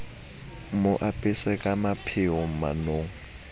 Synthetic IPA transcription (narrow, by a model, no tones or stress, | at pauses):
mʊʔapʼɪsɛkʼamapʰɪʊma̰noŋ̩